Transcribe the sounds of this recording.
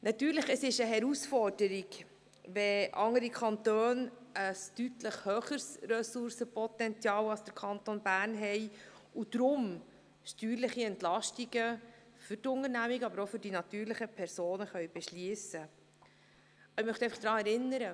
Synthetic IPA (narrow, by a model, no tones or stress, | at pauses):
nʔɑt̪yːɾləχəsɪʃəɦɛɾusfɔrd̥əɾiɡ | ʋɛʔɑŋəɾikʰɑnt̪øːnʔəstytləχhøːχəɾsrœsʊɾsəpʰɔt̪ɛnt͡sjɑːwɑlsd̥əɾkʰɑnt̪onbæːrnɦɛɪ | ud̪̥ɾʊm | ʃtyːɾlɪχiɛntlɑʃtiɡə | fʏtʊŋəɾnæmiɡəɑbəɾofʏɾd̥inɑt̪yːɾləχəpʰɛɾsoːnəχœɥb̥ɛʃliːsə | ɪmœχt̪ɛɪfɑχd̥ɾɑːɛɾɪnːəɾə